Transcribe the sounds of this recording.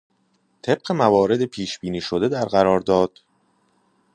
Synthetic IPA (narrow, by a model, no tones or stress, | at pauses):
t̪ʰe̞b̥̚ɢe̞mævɒːɾe̞d̪epʰiːʃb̥iːniːʃod̪ed̪æɾɢæɾɒːɾd̪ɒːd̪̥